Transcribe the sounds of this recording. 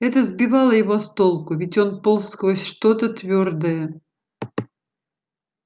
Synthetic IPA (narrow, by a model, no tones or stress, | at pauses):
ɛt̪əzbʲɪvɑlˠəjɪvost̪olˠkʊvʲɪtʲonpolˠskvˠosʲʂt̪ot̪ət̪vʲord̪əjə